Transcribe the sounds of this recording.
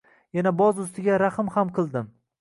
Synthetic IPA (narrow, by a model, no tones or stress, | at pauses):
janabɒzʊst̪ɪɡʲaɾaχɨmhamqʰɨlˠd̪ɪm